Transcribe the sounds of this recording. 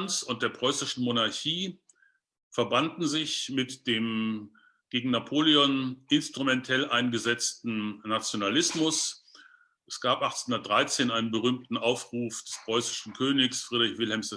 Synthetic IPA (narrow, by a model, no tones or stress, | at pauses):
nsʊnt̚d̥eːɐpʁ̥ɔʏsɪʃn̩monaɐçiː | fɛɐbandn̩zɪçmɪtd̥eːm | ɡ̥eːɡŋ̩napʰoːliɔnɪnstʁ̥umɛntʰɛlʔaɪnɡəzɛt͡stn̩nat͡sjonalɪsmʊs | ʔɛsɡ̥aːpʔaχt͡senhʊndɐtd̥ʁaɪt͡seːnʔaɪnənbəʁyːmtn̩ʔaʊfʁ̥uːfd̥ɛspʁ̥ɔʏsɪ̥ʃn̩kʰøːnɪksfʁ̥iːdʁɪçv̥ɪlhɛmsd̥